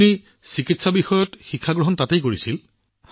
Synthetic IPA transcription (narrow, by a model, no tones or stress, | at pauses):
ni | sikitsabixɔjɔtxikʰːaɡɹɔɦɔntatejkoɹisil